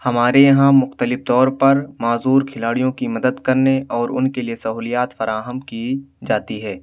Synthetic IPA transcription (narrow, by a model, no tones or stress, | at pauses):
hɐmaːɾejɐɦãmʊxt̪əlɪft̪ɔːɾpɐɾmaːzuːɾkʰɪlaːɽijõkimɐd̪əd̪kɐɾneʔɔːɾʊ̰nkeliesɐɦuːlijaːt̪fɐɾaːɦəmkid͡ʒaːt̪iɦɛː